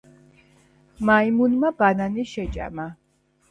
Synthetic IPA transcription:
maimunmabananiʃɛt͡ʃʼa̰ma

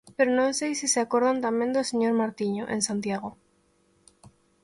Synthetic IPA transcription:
peɾonõnsejsiseakoɾðant̪amjẽnd̪oseɲoɾmaɾt̪iɲoʔẽnsant̪jaɣ̞o

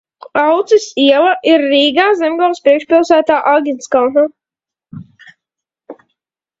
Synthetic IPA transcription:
awt̪sisiɛlˠaʔiɾːiːɡaːzɛmɡɔlspɾiɛkʃpilˠsæːt̪aːʔaɡʲinskalna

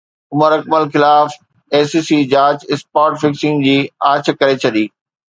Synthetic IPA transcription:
ʊməɾɐk̚məlxɪlaːf | eːsiːsiːd͡ʑaːd͡ʑɪspaːʈfɪksɪ̃ŋɡd͡ʑiːaːt͡ɕʰkɐɾet͡ɕʰɐɗiː

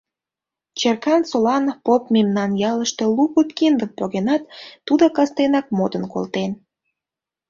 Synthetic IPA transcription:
t͡ɕerkɑnsolɑnpopmemnɑnjɑləʃt̪e̽lukət̪kind̪ənpoɣenɑt̪ːud̪okɑst̪enɑk̚mod̪ənko̰lt̪en

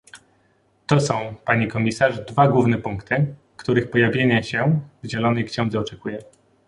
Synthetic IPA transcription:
t̪ɔsɔ̃w̃paɲikɔmʲisaʐd̪vaɡwuvnɛpuŋkt̪ɘ | kt̪uɾɘxpɔjavʲjeɲaɕɛvʑɛlɔnɛjkɕɛ̃w̃d̪zɛɔt͡ʂɛkujɛ

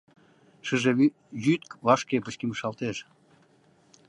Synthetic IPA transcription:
ʃəʒe | jyt̪̚kvɑʃkepət͡ɕkiməʃɑlt̪eʃ

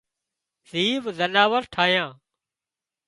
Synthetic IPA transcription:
ziːʋzənaːʋəɾʈʰaːjãː

